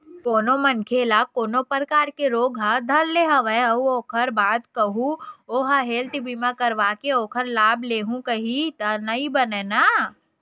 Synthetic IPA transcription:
koːnomɐnkʰelaːb̚koːnopəɾkaːɾkeɾoːɡɦad̪ʱɐɾleɦɐʋəeɐuoːkʰəɾbaːd̪kɐɦuoːɦaɦeːlt̪ibimãkɐɾʋaːkeoːkʰəɾlaːbleːɦũkɐɦit̪ɐnɐĩbɐnena

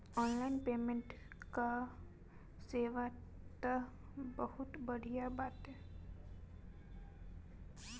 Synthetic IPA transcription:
ɔnlainpeːmẽɳʈ | ka | seʋa | t̪ə | bəhut̪bəɽ̤ʱijabat̪ɦe

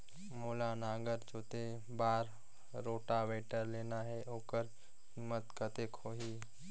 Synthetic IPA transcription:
moːlanaːɡəɾd͡ʒoːt̪e | baːɾː | oːʈaʋeːʈəɾleːnaɦɛʔoːkəɾ | ɦɪmːət̪kət̪ekʰoːɦiː

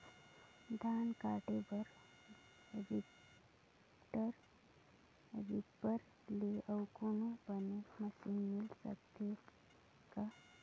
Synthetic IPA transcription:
d̪ʱaːnkaːʈebəɾ | ʋi | ʈəɾ | ʋipːəɾ | leʔəwkonobəneməsimɪlsə̰kt̪ʰe | ka

